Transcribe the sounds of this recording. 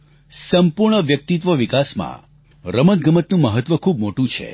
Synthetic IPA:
səmpuɾɳəʋjək̚t̪it̪̬ʋəʋikasmã̰ | ɾəmət̪̚ɡəmət̪nũməɦət̪ʋəkʰubmoʈũt͡ʃʰḛ

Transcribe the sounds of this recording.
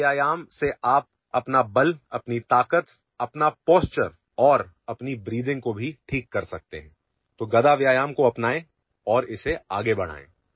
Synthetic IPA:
jaːjaːmseʔaːp̚ | ɐpnabɐlɐpnit̪aːkət̪ | ɐpnapɔːst͡ʃəɾ | ɔːɾ | ɐpnibɾiːd̪ɪ̃ŋkobʱiʈʰiːkːɐɾsɐk̚t̪eɦɛ̃ː | t̪oːɡɐd̪aʋjaːjaːmkoɐpnaːẽ | ɔːɾɪseaːɡebɐɽ̃a̰ːḛ̃ː

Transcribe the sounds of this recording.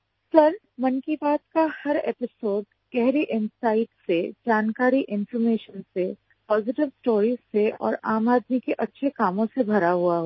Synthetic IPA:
sɐɾ | mɐnkibaːt̪kahɐɾḛːpɪsoːɖ | ɡ̥ɛɦɾiʔɪ̃nsaːɪʈsed͡ʒaːnkaːɾiʔɪ̃nfɔɾmeːʃənse | pɔːzɪʈɪʋsʈoːɾiːzseɔ̰ːɾaːmaːd̪mikeʔɐtːʃʰekaːmõsebʱɐɾaɦuaɦoː

